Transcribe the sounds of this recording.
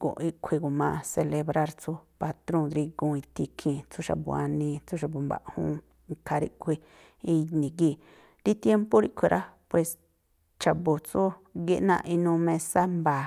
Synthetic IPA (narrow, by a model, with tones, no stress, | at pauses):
kõ̰˨ʔi˦˧kʷʰi˧ɡo˨mã˧se˧le˧βɾa˧ɾt͡su˦pa˧t̪ɾõ˦˧d̪ɾi˧ɡõ˧ĩ˧t̪i˧kʰĩ˧t͡su˦ʃa̰˧˨bṵ˧a̰˧nĩ˧t͡su˦ʃ̬a˧bu˨mba̰˨ʔhṵ̃˧ | ŋkʰa˧ɾḭ˦ʔkʷʰi˧ | i˧nĩ˨ɡi˦˧ | ɾi˦t̪je˦mpo˦ɾi˦ʔkʷʰi˧ɾʔa˦pwe˨s | t͡ʃa˨bo˨t͡su˦ɡi˦˧ʔnã̰˧ʔi˧nũ˧mẽ˧sa˦mba˨